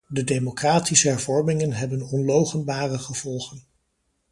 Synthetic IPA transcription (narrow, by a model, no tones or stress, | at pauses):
dədejmokraːtisəɦɛɹvɔɹmɪŋənɦɛbənɔnlowχənbaːrəχəv̥ɔlˠχən